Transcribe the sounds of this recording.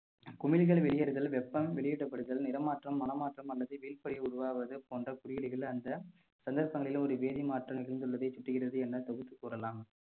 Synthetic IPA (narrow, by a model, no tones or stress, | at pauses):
kʊmɪlɣɐɭʋɛɭɪjɐɾɯðɐlʋɛpːɐmʋɛɭɪjɛʈːɐpːɐɽɯðɐlnɪɾɐmaːʈrɐmːɐnɐmaːʈrɐmɐlːɐðɯʋiːlpɐɽɪʊɽʊʋaːʋɐðɯpoːndrɐkʊɽɪjɐɽɪɣɐɭɐnd̪ɐ | sɐnd̪ɐɾpɐŋɡɐɭɪlɯ̃ɔɾɯʋeːðimaːʈrɐmɪɾɯnd̪ɯɭʋɐðɐɪt͡ʃːʊʈːɪɣɪrɐðɯɛnːɐt̪ɔɣɯt̪ːɯkuːɾɐlaːm